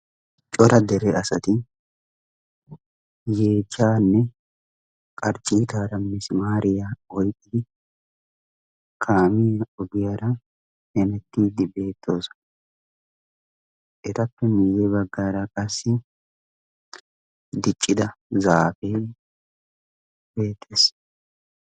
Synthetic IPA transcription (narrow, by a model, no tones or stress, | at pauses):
t͡ʃʼɔɾɐd̪ɛɾɛʔɐsɐt̪ɪ | je̞ːd͡ʒːaːnːɛ | kʼɐɾt͡ʃʼːiːt̪aːɾɐmːɛsɪmaːɾɪjaɔjkʼːɪd̪ɪ | kʰaːmɪjɐɔɡɪjɐɾɐ | hɛnɛt̪ːiːd̪ɪbe̞ːt̪ʰːo̞ːsɔ̥ | ʔɛt̪ɐpːɛmijɛbɐɡːaːɾɐkʼɐsːɪ | d̪ɪt͡ʃʼːɪd̪ɐzaːfe | b̥e̞ːt̪ʰːeːs